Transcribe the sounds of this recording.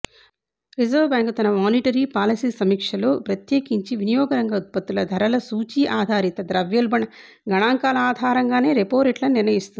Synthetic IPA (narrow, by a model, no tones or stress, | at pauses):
ɾizɐɾʋbjaːŋkt̪ɐnɐmaːniʈɐɾiːpaːlɐsiːsɐmiːkʂɐlo̞ːpɾɐt̪jeːkiɲt͡ʃiʋinijɔːɡɐɾɐŋɡɐut̪̚pɐt̪ːulɐd̪ʱɐɾɐlɐsuːt͡ʃiːʔaːd̪ʱaːɾit̪ɐd̪ɾɐʋjɐlbɐɳɐ | ɡɐɳaːŋkaːlɐaːd̪ʱaːɾɐŋɡaːne̞ːɾepoːɾiʈlɐniɾnɐjist̪und̪i